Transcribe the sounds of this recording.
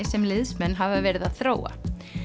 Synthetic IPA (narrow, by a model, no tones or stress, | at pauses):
ɪsɛmlɪðsmɛnːɦavavɛːɾɪðaðθɾoːwa̰